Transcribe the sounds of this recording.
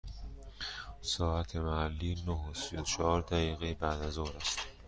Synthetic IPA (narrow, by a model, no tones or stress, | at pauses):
sɒːæt̪ʰe̞mæhælːiːnoɦosijot͡ʃʰɒːɒːɾd̪æɣiːɣebæd̪æzoːɾæst̪